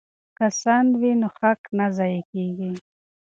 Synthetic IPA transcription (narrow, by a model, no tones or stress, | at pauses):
kasanwinoxaknazajekeɡi